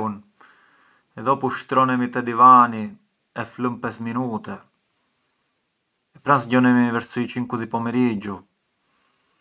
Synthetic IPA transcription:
un | ɛðɔpuʃt̪ɾɔnɛmit̪ɛd̪ivani | ɛfləmpɛsminut̪ɛ | ɛpɾansɟɔnɛmivɛɾsit͡ʃiŋkuðipɔmɛɾid͡ʒu

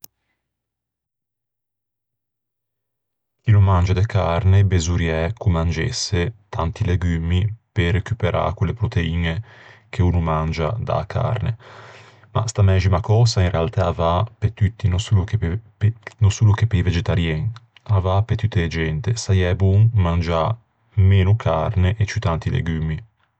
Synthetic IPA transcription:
k̟inomːand͡ʒad̪ekʰarnebezuɾjɛkʰumːand͡ʒḛsːet̪ʰant̪ileɡymiperekypeɾa̰kwelːepɾot̪eiːnekʰeuːnomand͡ʒa̰d̪a̰kʰa̰rne | ma̰st̪amɛzimakɔːzainrealt̪aːvapet̪ːut̪ːinosuloke | nosuːlokepːeived͡ʒet̪aɾjɛŋ | avapet̪ut̪ːeːd͡ʒɛnt̪esajɛbuŋmand͡ʒa | meːnukʰarneʔet͡ʃyt̪ant̪ilḛɡymi

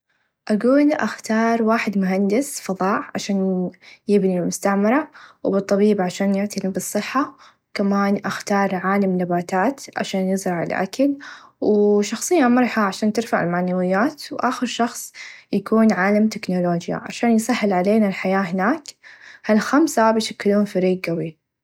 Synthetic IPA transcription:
ʔaɡuːlʔaxt̪ɑːɾˤwaːħɪd̪mʊɦand̪ɪsfɑðˤɑːʕʕa̰ʃaːnjɪbnilmʊst̪aʕmɪɾˤawbɨt̪ˤːɑbiːbʕaʃaːnjɪʕt̪ilbɨsˤːɨħːa | kamaːnʔaxt̪ɑːɾˤʕaːlamnabaːt̪aːt̪ʕa̰ʃaːnjɪzɾˤɑʕɪ̰lʔa̰kalwʃɑxsˤɨjːamɑɾˤħaʕaʃaːnt̪ɪɾfaʕɪ̰lmaʕnawɪjːaːt̪wʔaːxɪɾʃɑxsˤjakuːnʕaːlamt̪ɪknoloːd͡ʒja̰ʕa̰ʃaːnjsˤɑħːɪlʕaleːnalħajaːɦɪnaːkhalxamsabɪʃakːluːnfaɾiːɡɡawi

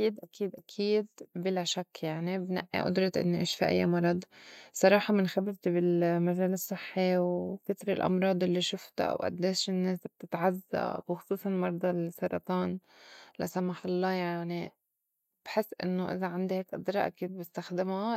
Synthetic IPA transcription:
iːd̪ʔakiːd̪ʔakʰiːd̪̚bɪlaʃakːjaʕnibna̰ʔːḭʔʊ̰d̪ɾˤɑt̪ʔɪ̰nːoʔeːʃfiʔa̰jːamɑɾˤɑd̪ˤsˤɑɾˤɑːħɑmɪnxabɪɾt̪ibɪlmaʒeːlɪsˤːɨħːiwkɪt̪ɾɪlʔɑ̰mɾˤɑːd̪ˤʔɪlːiʃʊft̪a̰ʔwʔa̰d̪ːeːʃɪnːeːsb̥̚t̪ɪt̪ʕazːa̰xʊsˤuːsˤɑlmɑɾˤd̪ˤɑlsɑɾˤɑ̰t̪ˤɑːn | la̰samaħɑlˤːɑːjaʕni | b̥ħɪsːʔɪ̰nːoʔɪ̰zaʕand̪iheːkʔɨd̪ɾˤɑ̰ʔa̰kiːd̪̚bɪst̪axd̪ɪma

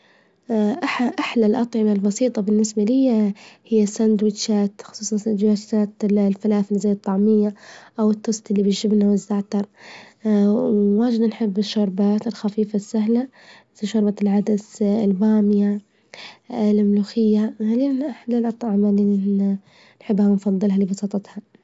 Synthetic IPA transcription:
ʔaħʔaħlalʔɑt̪ˤʕɪmalbɑsiːt̪ˤɑbɪnːɪsbalijhɪjːasand̪wɪt̪ʃaːt̪xʊ̥sˤuːsˤɑnsd͡ʒwaːaːt̪lfalaːθlizajːɨt̪ˤːɑʕmɪjːaʔawɪt̪ːʊst̪ʔɪlːibɪʒɪbnawɪzːaʕt̪ɑɾˤ | waːd͡ʒɪd̪anħɪbːɪʃːʊɾˤbaːt̪ɪlxafiːfasːaɦla | sʃʊɾˤbalʕad̪asɪlbaːmɪja | ɪlʔɪmluːxɪjːaxaliːnʔaħlalʔɑt̪ˤɑʕmali | nħɪbːhamnfɑðˤːɨlɦalibɑsˤɑːt̪ˤɑt̪ha

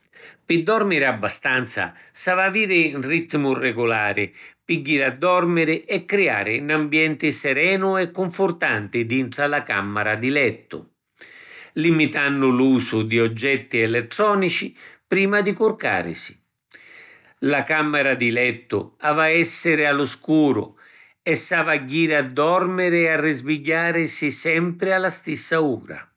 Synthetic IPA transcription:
pɪd̪ːɔrmiɾɪabːast̪ant̪sa̰savaviːɾɪnrit̪ːmʊrɛɡʊlaːɾɪpiɡːiɾad̪ːɔrmɪɾɪʔɛkːɾia̰ːɾɪnambjɛnt̪ɪsɛɾɛːnʊɛkːʊɱfʊrt̪ant̪ɪd̪int̪ɾalaka̰mːaɾad̪ilɛt̪ːʊ̰ | limit̪anːʊluːsʊd̪iɔd͡ʒːɛt̪ːiɛlɛt̪ːɾɔːnit͡ʃipɾiːmad̪ikʊrka̰ːɾɪ̰si̥ | lakamːɛɾad̪ilɛt̪ːʊ̰aːvaɛsːɪɾɪalʊskuːɾʊ̰ | ɛsːaːvaɟːiːɾɪad̪ːɔrmɪɾɪarːizviɟːaːɾɪsisɛmpɾɪalːast̪isːauːɾa̰

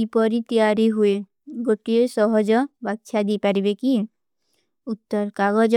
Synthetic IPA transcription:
ipɔɾit̪ijaɾiɦue | ɡoʈiesɔɦɔd͡ʒɔbakt͡ʃʰad̪ipaɾibeki | ut̪ːɔɾkaɡɔd͡ʒ

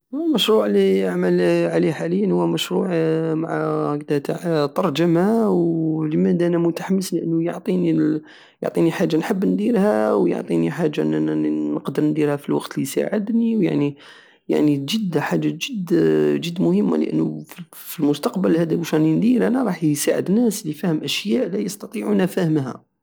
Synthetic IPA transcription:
lməʃɾˤuʕliaʕməlʕaliħaləjːənhʊwːæməʃɾˤuʕmaʕkd̪t̪aʕt̪ˤɑɾˤd͡ʒəmawləmæd̪ʔænæmʊt̪ḁħamːəsliʔənːujoʕt̪ˤini | jo̰ʕt̪ˤiniħaʒːanħəbːnd̪iɾhæwjo̰ʕt̪ˤiniħaʒːaʔnænəqd̪əɾnd̪iɾhæfilwɑqt̪lisa̰ʕəd̪niwja̰ʕni | ja̰ʕniʒəd̪ːħaʒːaʒəd̪ʒəd̪ːmʊhəmːa̰lə̰ʔə̰nːufi | filmʊst̪ɑqbəlhæd̪æwəʃænind̪iɾʔænæɾˤɑħsa̰ʕə̰d̪næslifæhəmʔæʃjæʔlæjɑst̪ɑt̪ˤiʕunæfæhəmɦæ̰

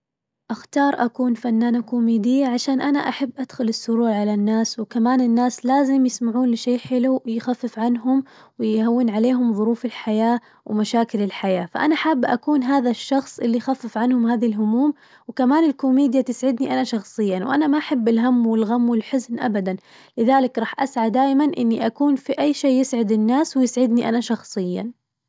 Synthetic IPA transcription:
ʔaxt̪ɑːɾˤʔakuːnfanːaːnakomeːd̪ɪjːaʕaʃaːnʔana̰ʔaħabːʔad̪̥xʊlɪsːʊɾuːʕʕalanːaːswkamaːnɪnːaːslaːzɪmjɪsmaʕuːnlɪʃejːħɪlujxafːɪfʕanɦʊmwɪjhawːɪnʕaleːɦʊmðˤʊɾuːfɪlħajaː | wmaʃaːkɪlɪlħajaːfa̰ʔanaħaːbːʔa̰kuːnɦaːðaʃːɑxsˤʔɪlːijxafːɪfʕanhʊmhaːðalɦʊmuːm | wɪkamaːnɪlkʊmeːd̪jat̪ɪsʕɪd̪niʔanaʃɑxsˤɨjːawʔanamaʔaħabːɪlɦamːwɪlɣamːwɪlħʊznʔa̰bad̪an | lɪðaːlɪkɾˤɑːħʔasʕad̪aːʔmanʔɪnːiʔakuːnfiʔajːʃeːjɪsʕɪd̪ɪnːaːswɪjɪsʕɪd̪niʔa̰naʃɑxsˤɨjːa̰

